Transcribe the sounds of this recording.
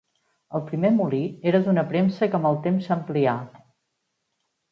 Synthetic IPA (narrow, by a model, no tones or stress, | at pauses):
əlˠpɾimemulieɾəd̪unəpɾemsəkəməlˠt̪emsəmplia